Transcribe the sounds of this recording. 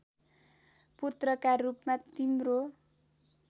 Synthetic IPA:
put̪rʌkarːupmat̪imro

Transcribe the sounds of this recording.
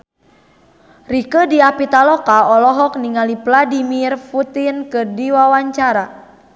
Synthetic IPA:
rikədiapit̪alɔkaɔlɔɦɔk̚niŋalipladimirfut̪inkədiwawaɲt͡ʃaɾa

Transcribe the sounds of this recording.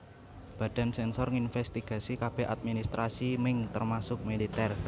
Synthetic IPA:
b̥ä̤d̥a̤nsɛnsɔrŋinfɛst̪iɡ̥a̤sikab̥e̤at̪̚minist̪ɾʔasimɪŋt̪ərmasʊk̚melit̪ɛr

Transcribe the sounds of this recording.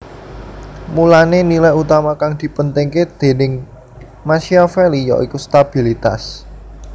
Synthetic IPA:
mulanenilajut̪amakaŋd̪̥i̤pənt̪ɪŋked̪̥e̤nɪŋ | maʃiafelijɔ̰ʔikust̪ab̥i̤lit̪a̰s

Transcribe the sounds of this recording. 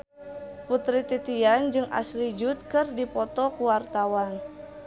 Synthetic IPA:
put̪ɾit̪it̪iand͡ʒɨŋʔa̰slid͡ʒut̪̚kɨrdipɔt̪ɔkuwart̪awan

